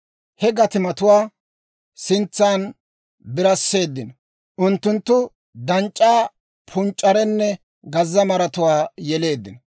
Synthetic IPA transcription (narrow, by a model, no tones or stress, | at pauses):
hɛɡɐt̪ɪmɐt̪ʊwaː | sɪnt͡sːaːn | bɪɾɐsːe̞ːd̪ːɪnɐ | ʔʊnt̪ːʊnt̪ːʊ | d̪ɐnt͡ʃʼːaː | pʰʊnt͡ʃʼːɐɾɛnːɛ | ɡɐzːɐmɐɾɐt̪ʊwaːjɛle̞ːd̪ːɪnɐ